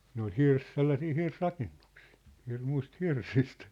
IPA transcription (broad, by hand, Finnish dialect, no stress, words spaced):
ne ol hirs selːɑsiː hirsrɑkenːuksi̥ː hirmuĭst hirsist